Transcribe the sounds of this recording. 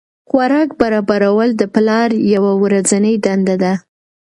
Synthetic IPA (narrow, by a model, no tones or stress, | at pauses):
xwaɾɑkbaɾɑbaɾawəld̪əplɑɾjawawɾazanəjd̪and̪ad̪a